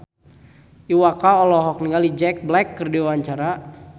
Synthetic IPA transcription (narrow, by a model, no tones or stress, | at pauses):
iwakaɔlɔɦɔk̚niŋalid͡ʒɛk̚blɛkːərdiwaɲt͡ʃaɾa